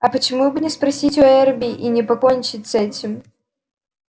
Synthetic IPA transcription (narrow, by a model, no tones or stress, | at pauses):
ɐpɐt͡ʃɨmubɨnʲɛspɾasʲit͡sʲuɛrbʲiʔinʲɛpakɔnʲt͡ʃɨt͡sʲsɛt͡sʲim